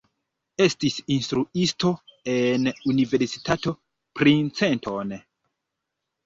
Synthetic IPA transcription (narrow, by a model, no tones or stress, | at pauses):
e̞stisinstɾuisto̞enunive̞ɾsitato̞ | pɾint͡se̞ntʰon